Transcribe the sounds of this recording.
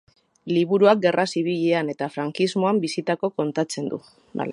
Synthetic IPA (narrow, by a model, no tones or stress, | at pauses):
liβ̞uɾuak̚ɡe̞rʔasiβ̞iʎeane̞t̪afɾaŋkizmo̞ambisit̪ako̞ko̞nt̪at͡se̞nd̪ṵ